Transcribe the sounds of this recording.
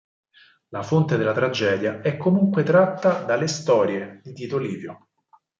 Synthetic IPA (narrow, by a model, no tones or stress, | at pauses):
lafont̪ed̪elːat̪ɾad͡ʒɛːd̪jaɛkːomuŋkwet̪ɾat̪ːad̪alːest̪ɔːɾjed̪it̪iːt̪oliːvjo